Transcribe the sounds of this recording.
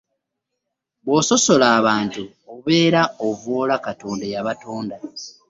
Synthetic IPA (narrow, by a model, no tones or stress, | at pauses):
βwoso̞so̞laːβaːntu | ouβeːɾaovoːlakato̞ːndajaβato̞ːnda